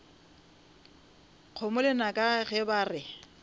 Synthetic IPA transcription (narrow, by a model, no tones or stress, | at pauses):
q͡χʰomʊlɛnakʼaɣɛbaːrɪ